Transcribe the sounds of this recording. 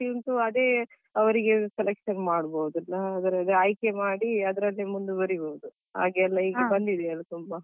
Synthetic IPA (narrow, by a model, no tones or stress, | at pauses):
int̪uɐd̪e̞ː | ɐʋɐɾiɡeselekʂɐnmaːɽbowd̪ɐlːɐːd̪ɐɾɐd̪eɐjkemaːɽiɐd̪ɐɾɐlːimund̪ubɐɾibowud̪u | ha̰ːɡɛlːɐiːɡebɐnd̪id̪ɛɐlːɐt̪umbɐ